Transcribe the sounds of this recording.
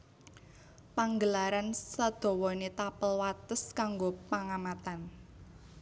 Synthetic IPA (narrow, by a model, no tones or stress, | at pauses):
paŋɡəlaɾansad̪̥ɔ̤wɔnet̪apəlwat̪əskaŋɡopaŋamat̪an